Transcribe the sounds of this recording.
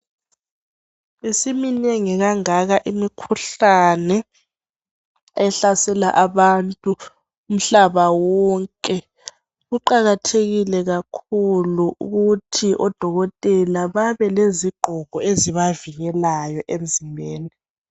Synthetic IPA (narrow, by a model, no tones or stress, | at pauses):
isimineŋiɣaŋaɣaʔimikʰuɬanɛ | ɛɬasɛla̰ʔaβantʼuː | m̩ɬaβawɔŋkʼɛ | ɣuǃaɣatʰeɣilɛɣakʰuluʔṵɣutʰiʔɔd̥ʱɔɣɔtʼɛlaβaβɛleziɡ͡ǃ̥ʱɔɣ̥ʱɔeziβaviɣɛlajɔʔem̩zimbʱeːni